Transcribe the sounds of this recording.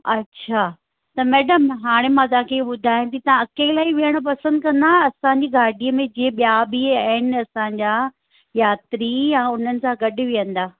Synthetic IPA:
ɐtːɕʰaː | t̪ɐmɛːɖəmɦaːɽ̃emãt̪̬ɐãkʰeɓʊd̪ʱaːj̃t̪ʰit̪ɐãɐkeːlaːiʋijəɽ̃opɐsə̃nd̪kɐ̃nd̪aːẽɐsãɲd͡ʑiːɡaːɖʱiəmẽd͡ʑiːẽɓijabiɐɦɪnɐsãɲd͡ʑaː | jaːt̪ɾijaʊn̤ənɪ̆sãɡɐɗɪ̆ʋijə̃nd̪aː

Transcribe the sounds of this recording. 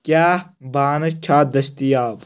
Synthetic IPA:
kʲaːbaːnɐt͡ʃʰaːd̪ɐst̪ijaːb

